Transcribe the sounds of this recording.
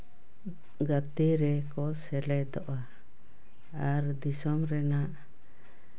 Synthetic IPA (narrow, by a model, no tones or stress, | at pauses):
ɡat̪eɾɛkɔsɛlɛd̪ɔʔa | aɾd̪isɔmɾɛnaʔ